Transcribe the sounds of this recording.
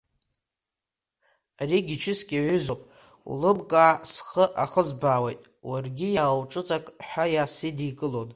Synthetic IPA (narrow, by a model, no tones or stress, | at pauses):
ariɡʲit͡ʃʰɪskʲʼaʕʏzopʼ | ṵlɨbkʼaːsχəʔaχəzbaːwḛjtʼ | warɡʲijawʈ͡ʂʼɨt͡sʼakʼħʷajasidikʼɨlon